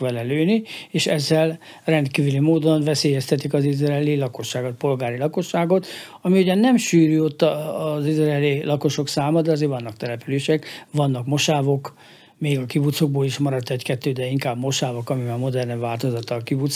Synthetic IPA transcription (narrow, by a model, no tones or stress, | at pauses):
ʋɛlɛløːnieːʃɛzːɛl | rɛnd̪kiːvylimoːd̪o̞nvɛseːjɛst̪ɛt̪ikɒzizrɛɛlilɒko̞ʃːaːɡo̞t̪̚po̞lɡaːɾilɒko̞ʃːaːɡot̪ | ɒmiuɟɒnːɛmʃyːɾyo̞t̪ːɒːzizrɛɛlilɒko̞ʃo̞ksaːmɒd̪ɛɒzeːɾvɒnːɒk̚t̪ɛlɛpyleːʃɛkvɒnːɒkmo̞ʃaːvo̞k | meːɡɒkibut̪soɡ̚boːliʃmɒɾɒt̪ːɛckɛt̪ːøːd̪ɛiŋkaːbmo̞ʃaːvokɒmimamo̞d̪ɛrnvaːlt̪o̞zɒt̪ɒkibut̪s